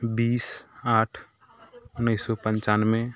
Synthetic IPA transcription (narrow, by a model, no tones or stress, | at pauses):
biːsaːʈʰ | ʊnəɪsɔpə̃nt͡ʃaːnmẽ